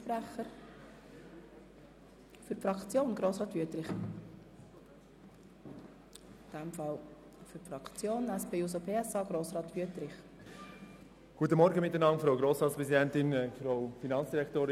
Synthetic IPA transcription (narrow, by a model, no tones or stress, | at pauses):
fɾæχəɾ | fʏɾfɾɑkt͡sjoːnɡ̥ɾoːsʁɑːtʋyətɾɪχ | d̥æmfɑl | fʏɾfɾɑkt͡sjoːnæspeːus̬opʰeːɛsɑːɡ̥ɾoːsɾɑːt̪ʋyətɾɪχ | ɡ̥uət̬əmɔɾɡəmɪtːənɑmfɾoʊɡɾoːsʁɑːt̪spɾɛsidɛntɪnfɾoʊfinɑnt͡ssd̥iɾɛktoːɾ